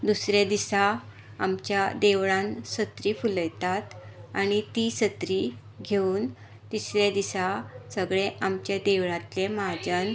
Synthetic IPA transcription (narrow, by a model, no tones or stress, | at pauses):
d̪usɾjad̪isa | amt͡ɕjad̪eʋɭãnsət̪ɾifuləjt̪at̪añit̪isət̪ɾi | ɡʱeuːn | t̪isɾjad̪isasəɡɭeʔamt͡ɕjad̪eʋɭãt̪lemad͡ʑən